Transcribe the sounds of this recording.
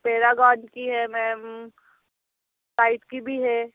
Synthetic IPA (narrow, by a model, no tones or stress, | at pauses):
peːɾaɡãːnkiɦɛmɛ̃ː | saːɪʈkibʱiɦɛ